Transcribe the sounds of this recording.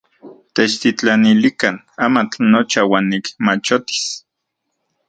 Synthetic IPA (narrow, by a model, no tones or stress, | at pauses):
t̪et͡ʃt̪it͡ɬanilikan | amat͡ɬnot͡ʃawaːnːikmat͡ʃot̪i̥s